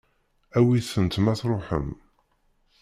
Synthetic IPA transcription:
æwiθənt̪mæθɾˤoħə̰m

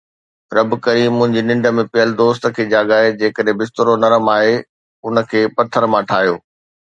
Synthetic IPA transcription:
ɾɐbkɐɾiːmːʊ̃ɦɪ̃ɲd͡ʑinɪ̃ɳɖə̆mẽpɪjəlɪd̪oːst̪ə̆kʰeːd͡ʑaːɠaːɦed͡ʑeːkəɗɦẽbɪst̪ɾonɐɾəmaːɦe | ʊnə̆kʰeːpɐt̪ʰːəɾmãʈʰaːɦijo̰ː

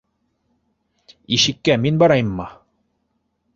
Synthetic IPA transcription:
iʃɘ̆kːæminbɑɾɑjmːɑ

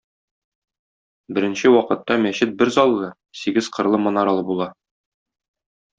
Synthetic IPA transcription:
bɘ̆ɾɘ̆nɕɘwɒqɤ̆t̪ːɑmæɕɘt̪̚bɘɾzɒlˠːɤ | siɡɘz̥qʰɤ̆ɾlˠɤmɤ̆nɑɾɑlˠɤbulˠɑ

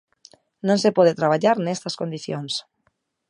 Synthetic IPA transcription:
nõnsepɔð̞et̪ɾaβ̞aʎaɾnest̪askond̪iθjons

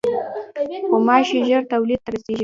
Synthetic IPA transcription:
xomɑʃeʒəɾt̪awlid̪̚t̪aɾaseʒi

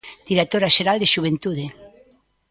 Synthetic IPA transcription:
d̪̥iɾet̪oɾaʃeɾald̪eʃuβ̞ent̪uðe

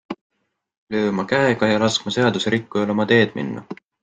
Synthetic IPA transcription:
lø̞ːmɑkæeɡ̥ɑjɑlɑskmɑse̞ɑd̪̥useɾikːujɑlo̞mɑt̪e̞ːd̪̥mḭnːɑ̰

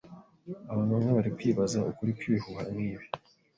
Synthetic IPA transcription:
aβaːnumŋeβaɾikwiːβazaukuɾikwiβihuhamŋiːβi

